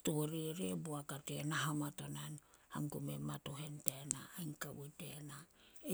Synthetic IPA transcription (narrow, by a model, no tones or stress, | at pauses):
toɾiɾebuakatenaɦamatonanha̰ŋkumematoɦentenaːŋkawutenae